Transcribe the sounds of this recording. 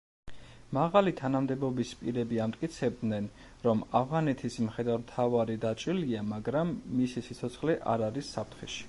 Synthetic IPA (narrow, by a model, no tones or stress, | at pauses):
maʁalit̪ʰanamd̪ɛbɔbispʼiɾɛbiamt̪ʼkʼit̪sʰɛb̚d̪nɛn | ɾɔmavʁanɛt̪ʰismχɛd̪aɾmt̪ʰavaɾid̪at͡ʃʼiliamaɡɾamːisisit̪sʰɔt̪sʰχliʔa̰ɾaɾisːap̚ʰt̪ʰχɛʃi̥